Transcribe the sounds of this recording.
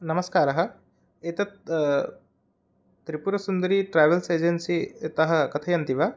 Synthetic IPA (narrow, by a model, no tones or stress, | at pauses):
nɐmɐskaːɾɐɦɐ̆ | et̪ɐ | t̪ɾipuɾɐsund̪ɐɾiʈɾaːjʋɐlseːd͡ʒensit̪ɐɦɐ̆kɐt̪ʰɐjɐnt̪iʋa